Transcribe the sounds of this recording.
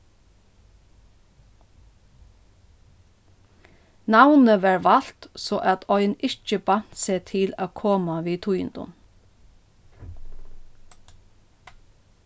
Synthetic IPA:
nɑwnəʋæːɹʋɑl̥t̪soːʔæt̪ʰɔʏnɪc͡çəbɑn̥t̪seːt̪ʰɪlɑ̰ːkʰoːmɑʋiːt̪ʰujɪ̰nd̪ʊ̰m

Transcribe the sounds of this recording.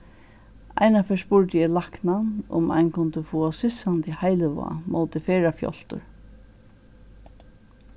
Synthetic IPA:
a̰jnafɛspʊɹt̪ɪjɛlaknanʊ̰mʔa̰jnkʰʊnt̪ɪfuːasɪsant̪ɪhajlɪʋa̰mo̰ːwt̪ɪfɛːɹafjɔ̰l̥t̪ʊ̰ɹ

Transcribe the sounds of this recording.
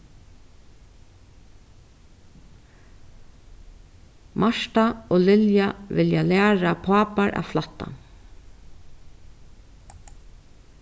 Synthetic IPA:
mʔaʂt̪aoːlɪljaʋɪljalæːɹapʰɑːpaɹʔa̰ːʋflɑt̪ːa̰n

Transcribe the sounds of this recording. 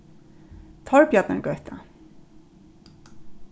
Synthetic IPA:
t̪ʰɔɹpjat̪nə̰ɡœɥt̪a̰

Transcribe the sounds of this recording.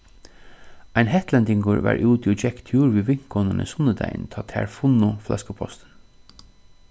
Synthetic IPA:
æɪnɦɛht̪lɛnd̪ɪŋɡʊɹʋæ̰ːɹʔʉːt̪iɔd͡ʒɛkt̪ʰjuːɹʋiːʋɪŋ̥kʰɔnənə̰sʊnəd̪æɪ̰nt̪ʰɑːt̪ʰæ̰ːɹfʊnʊflʔɛ̰skəpʰɔ̰st̪ən

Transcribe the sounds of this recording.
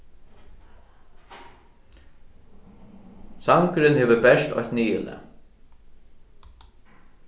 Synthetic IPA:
saŋkɾɪnheːʋəbɛʂt̪ɔ̰jht̪niːɪlə̰

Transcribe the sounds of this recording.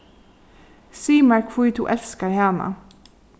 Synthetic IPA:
siːmɑɹkʰfuːt̪ʰṵːʔɛlskəɾhæːnɑ̰

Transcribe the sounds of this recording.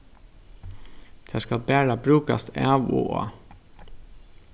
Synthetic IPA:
d̪̥ʰeːskɑlbæːɾɑbɾʉːkɑ̰st̪æːʋṵːɑ̰

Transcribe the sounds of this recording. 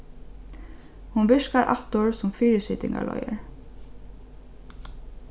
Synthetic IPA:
hʊnbʏʃkɑɹʔɑt̪ʊɹsʊmfiːɹəsɪt̪ɪŋɑ̰ɭɔ̰ʏəɹ

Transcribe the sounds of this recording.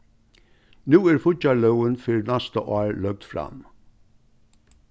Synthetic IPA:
nuːæːɾfʊɑlœʊənfyɹnæst̪əʔɑːɹlœɡ̚d̪fɾɑ̰m

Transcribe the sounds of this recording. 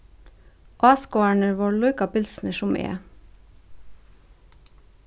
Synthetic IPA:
ʔɑːskoæɳəʋɔɭʊʏkɑpɪlsnəʃʊmḛːə̰

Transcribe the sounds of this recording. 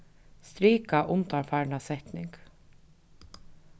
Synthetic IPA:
st̪ɾiːkaʔʊmt̪aɹfaːɾnasɛht̪nɪŋk

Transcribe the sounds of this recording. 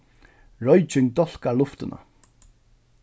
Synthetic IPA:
ɹɔjt͡ʃɪŋt̪ɔl̥kaɾlʊft̪ɪna̰

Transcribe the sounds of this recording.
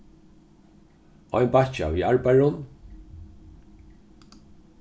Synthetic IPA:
ɔjnpat͡ʃa̰viːaɹpajɹʊn

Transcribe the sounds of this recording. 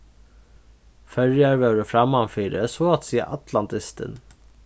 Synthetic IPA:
fœɹjaɾʋœːɾəfɾɑmɑnfiːɾə̰soɑt̪siːə̰ʔɑt̪ʰlɑnt̪ɪst̪ə̰n

